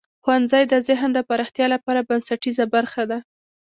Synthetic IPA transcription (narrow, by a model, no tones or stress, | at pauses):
xwanzajd̪əzɪɦnd̪əpaɾɑxt̪jɑlapɑɾabansaʈizabaɾxad̪a